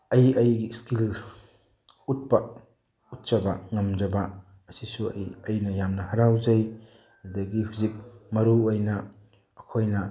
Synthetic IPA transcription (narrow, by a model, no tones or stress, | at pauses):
ɐjɐjɡiskil | ut̚pɐ | ut̚t͡ʃɐbɐ̰ŋɐmd͡ʒɐbɐ | ɐsisuɐ̰jɐjnɐjamnɐhɐɾawzɐj | ɐd̪ɐɡihuzik̚mɐɾuojnɐː | kʰojnɐ